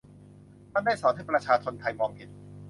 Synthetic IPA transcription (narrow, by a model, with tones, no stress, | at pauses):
t̪ʰa˥˩nda˥˩jsɔː˩˦nt̪ʰa˥˩pɾa˧t͡ɕʰaː˧t͡ɕʰo˧nt̪ʰa˧jmɔː˧ŋhe˨˩t̪̚